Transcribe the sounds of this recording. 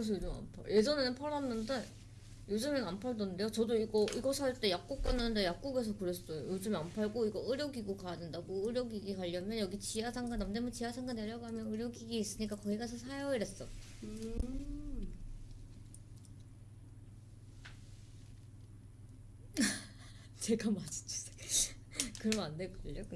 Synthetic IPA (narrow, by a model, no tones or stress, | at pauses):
kɯɾes̬ʰʌjod͡ʑɯma̰mpʰa̰je̞d͡ʑʌnenɯnpʰʌɾʌnːɯnde | jod͡ʑɯmɯnampʰaɭdonnde̞jot͡ɕʌdoiɡʌiɡʌsʰaɭt͈e̞jak̚k͈uk̚k͈ʌnːɯnɯndejak̚k͈uɡe̞s̬ʰʌkɯɾes͈ojojod͡ʑɯmeampʰaɭɡoiɡʌɯɾjʌɡiɡokaadendaɡoɯɾjʌɡiɡikaʎːʌmjʌnjʌɡit͡ɕiɦasʰaŋɡanamdemʌnt͡ɕiasʰaŋɡane̞ɾjʌɡɦamjʌnɯɾjʌɡiɡiːs͈ɯɲik͈akʌiɡasʰʌsʰajʌiɾe̞s͈ʌɯ | t͡ɕe̞ɡamad͡ʑi̥t͡ɕ͈u̥s͈ʰe | kɯɾʌmandeɡʌʎːok